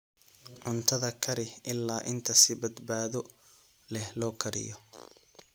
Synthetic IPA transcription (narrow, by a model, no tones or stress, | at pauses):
ʕʊnt̪ʰɐðɐkʰɐɾɪhʔɪlːaːʔɪnt̪ʰɐsɪbɐd̪baːðɔ | lɛhlɔːkʰɐɾɪ̰jɔ